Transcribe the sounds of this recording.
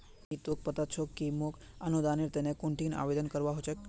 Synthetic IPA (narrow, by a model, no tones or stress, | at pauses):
it̪ok̚pət̪at͡ʃʰokːimok | ənud̪aniɾt̪ɛnekoɳʈina̰ʋed̪ənkəɾʋaɦot͡ʃek